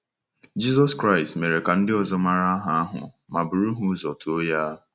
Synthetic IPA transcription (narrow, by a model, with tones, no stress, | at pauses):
d͡ʒi˦zɔ˦skɾa˦ɪ˨stme˨ɾe˨ka˨n̩˦dɪ˦ɔ˨zɔ˦ma˨ɾa˦a˦ɦa˨a˦ɦʊ̰˨ | ma˨bʊ˨ɾu˦ɦu˦zɔ˨tu˨o˦ja˦